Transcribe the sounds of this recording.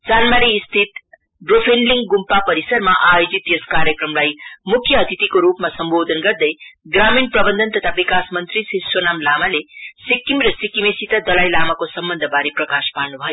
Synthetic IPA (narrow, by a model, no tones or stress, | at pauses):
d͡zanmaɾiːst̪ʰit̪ | ɖropʰinliŋɡɡumpapʌɾisʌɾmaʔajod͡zit̪joskaɾjʌkrʌmlajmukʰjʌːt̪ʰit̪ikoɾupmasʌmbod̪ʱʌnɡʌrd̪ʌjɡraminprʌbʌnd̪ʱʌnt̪ʌt̪ʰabikasmʌnt̪risisonamlamalesikːimɾʌsikimesit̪ad̪ʌlajlamakosʌmbʌnd̪ʱʌbaɾiprʌkaspaɾnubʱʌjo